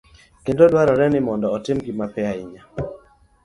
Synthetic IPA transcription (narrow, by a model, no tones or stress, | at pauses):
kendodwaɾɔɾɛnɪmɔndɔːtɪmɡimapɛaɪɲa